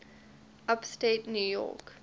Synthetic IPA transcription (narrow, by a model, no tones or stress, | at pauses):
apstetnjuːjɔ̰k